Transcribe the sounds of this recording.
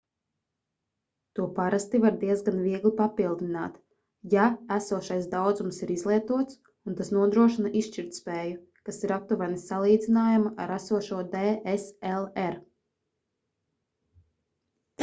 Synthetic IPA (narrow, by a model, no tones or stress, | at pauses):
t̪uɔpaɾast̪ivaɾd̪iɛzɡanviɛɡlipapilˠd̪ina̰ːt̪ | jaæsuɔʃajsd̪awd̪zumsiɾizlˠiɛt̪uɔt̪s | unt̪asnuɔd̪ɾuɔʃinaʔiʃʃt͡ʃiɾt̪spɛːju | kasiɾap̚t̪uvanisalˠiːd̪zinaːjamaʔaɾæsuɔʃuɔd̪ɛːeselˠɛɾ